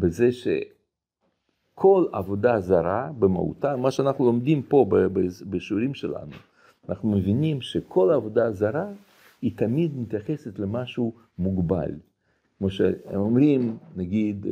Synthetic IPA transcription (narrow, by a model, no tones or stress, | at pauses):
bezeʃḛ | kʰo̞lavod̪azaɾabema̰ṵt̪amaʃeanaχnulomd̪impo̞bebebeʃuɾimʃela̰nu | anʔa̰χnumevinimʃekʰo̞lavod̪azaɾa | it̪amid̪mit̪jaχeset̪lemaʃu | muɡba̰l | kmoʃeemomɾimnaɡid̪